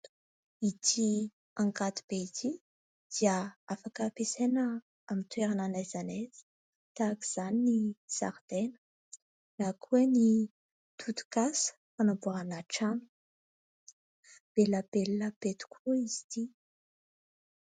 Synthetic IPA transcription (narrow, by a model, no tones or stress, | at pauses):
it̪ʰi | aŋkat̪i̥b̥eit̪ʰi | d̪̥iəafakəpesenə | amint̪weɾananajzanaz̥i̥ | t̪akiz̥aninisa̰ɾd̪̥enə̥ | nakʰueni | t̪ʰut̪u̥kasə̥fanabuaanaʈ͡ʂanu̥ | b̥elabelləb̥et̪i̥kʰuizi̥t̪i